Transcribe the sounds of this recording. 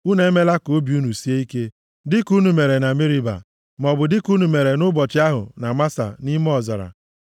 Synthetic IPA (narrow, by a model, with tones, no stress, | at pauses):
u˦ne˦me˦la˦koo˦bi˨u˦nu˨si˦e˦i˦ke˦ | dɪ˦ku˦nu˨me˨ɾe˨na˨mi˦ɾi˦ba̰˨ | m˨ɔ˨bʊ˨dɪ˦ku˦nu˨me˨ɾe˨nʊ˦bɔ˨t͡ʃɪ˦a˦ɦʊ̰˨na˨ma˦sa̰˨ni˦m˦ɔ˦˨za̰˨ɾa̰˨